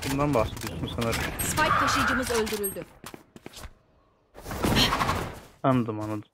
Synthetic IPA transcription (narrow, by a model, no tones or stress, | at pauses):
bund̪anbaxsed̪ijosunsanaɾɯsfajk̚t̪ʰaʃɯjd͡ʒɯmɯzø̞lʲd̪yɾylʲd̪y | and̪ɯmanɯd̪ɯ